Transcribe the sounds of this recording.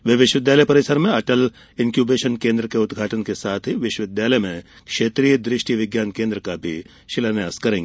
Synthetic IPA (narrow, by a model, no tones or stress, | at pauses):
ʋeːʋɪʃʋɪd̪jaːləjpɐɾɪsəɾmẽɐʈəl | ɪnkjuːbeːʃənkẽːnd̪ɾəkeʊd̪ɡʱaːʈənkesaːt̪ʰɦiʋɪʃəʋɪd̪jaːləjmẽ | kʃeːt̪ɾiːjəd̪ɾɪʃʈiʋɪɡjaːnkẽːnd̪ɾəkabʱi | ʃɪlanjaːskɐɾẽːŋɡe